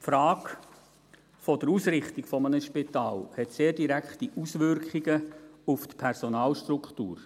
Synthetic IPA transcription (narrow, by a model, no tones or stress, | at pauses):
fɾɑːk | fɔd̥əɾusɾɪχtikfɔmənəʃpɪtɑːlhɛt̪seːɾdiɾækχtiʔusʋʏrkχiɡəuftpʰɛrsɔnɑːlʃtrukχtṵːɾ